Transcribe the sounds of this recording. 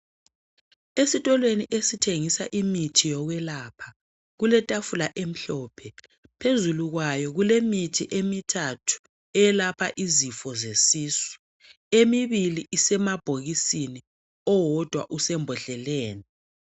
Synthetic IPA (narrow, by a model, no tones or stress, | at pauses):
esitʼɔlweniʔesitʰeŋisa̰ʔimitʰijɔɣwɛlaːpʰa | ɣulɛtʼafulaʔem̩ɬɔːpʰɛ | pʰezuluɣwajɔɣulemitʰiʔemitʰatʰu̥ | ɛjɛlapʰaʔizifɔzesiːsi̥ | emiβiliʔisɛmab̥ʱoɣisini | ɔwɔd̥ʱwa̰ʔusɛmbʱɔɬɛleːni